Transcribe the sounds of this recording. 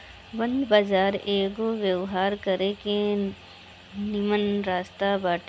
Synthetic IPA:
bɐ̃nd̪baːzaːɾeːɡoʋjewɦaːɾkəɾeke | nimənɾaːst̪abaːʈ

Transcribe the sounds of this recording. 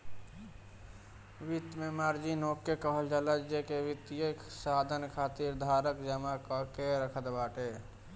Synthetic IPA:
ʋit̪memaɾd͡ʒinokːekəɦəld͡ʒalət͡ʃd͡ʒekeʋit̪ijəksad̪ʱənkʰaːt̪iɾd̪ʱaɾəkd͡ʒəmakəkeɾəkʰət̪baʈe

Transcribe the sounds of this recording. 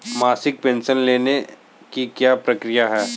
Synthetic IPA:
maːsɪk̚pẽːnʃənleːne | kikjaːpɾɐkɾijaɦɛː

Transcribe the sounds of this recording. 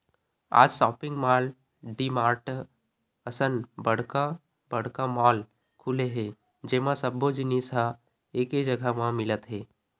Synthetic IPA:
a̰ːd͡ʒsɔːpɪ̃ŋɡmaːl | ɖimaːɾʈ | əsənbəɽ̤ka | bəɽ̤kamaːl | kʰuleɦẽ | d͡ʒemãsəbːod͡ʒinisã | eːked͡ʒəɡʱəmãmɪlət̪ɦeː

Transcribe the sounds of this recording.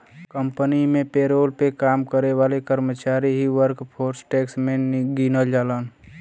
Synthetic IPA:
kəmpənimẽpeːɾoːlpekaːmkəɾeʋaːlekəɾmət͡ʃaːɾiɦiʋəɾkpʰoːɾsʈeːksmẽnɡinəld͡ʒaːlən

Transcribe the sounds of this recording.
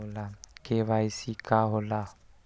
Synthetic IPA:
lakeβaisikaɦola

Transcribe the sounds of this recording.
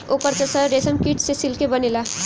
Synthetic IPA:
okəɾt͡ʃəsəɾesəmkiʈsesilkebənila

